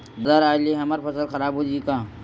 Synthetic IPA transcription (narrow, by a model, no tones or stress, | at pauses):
bɐd̪aːɾaːliɦɐməɾpɐsəlxɐɾaːbɦoːd͡ʒikaː